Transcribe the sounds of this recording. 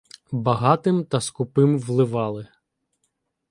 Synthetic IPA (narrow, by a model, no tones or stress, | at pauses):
bɐɦɑt̪ɪmt̪ɐskʊpɪmʋlˠɪʋɑlˠɪ